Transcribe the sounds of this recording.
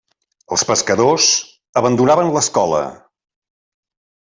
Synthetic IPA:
ə̰lˠspəskəðoz | əβənd̪unaβənləskɔlə̰

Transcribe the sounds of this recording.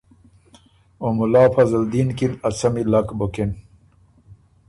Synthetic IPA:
omulaːfɐzɐld̪iːnkinɐsɐmilakboken

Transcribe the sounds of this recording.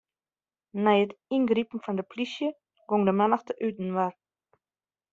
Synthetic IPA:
nɛjətinɡripn̩fɔndəplisjə | ɡ̥oŋdəmɛnəxtəʔytn̩ʋar

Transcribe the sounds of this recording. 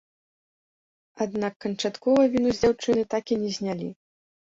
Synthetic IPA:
ad̪nakːɐnt͡ʂat̪kɔvɐvʲinuzʲd͡zʲawt͡ʂɨnɨt̪akʲinʲɛzʲnʲalʲḭ

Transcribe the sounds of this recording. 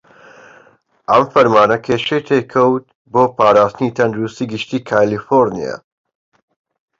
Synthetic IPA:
ʔɐmfɐɾmaːnɐkʰeːʃejt̪ʰeːkʰɐwt̪̚ | boːpaːɾaːst̪ɨniːt̪ʰɐnd̪ɾust̪iːɡɨʃt̪iːkʰaːlifoɾnḭja̰ː

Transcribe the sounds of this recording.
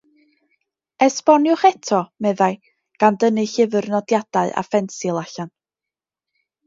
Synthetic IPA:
ɛspɔnjʊχɛtʰɔmɛðaj | ɡ̥andənɨɬɪvərnɔdjad̥aɨʔa̰fɛnsɪlˠaɬan

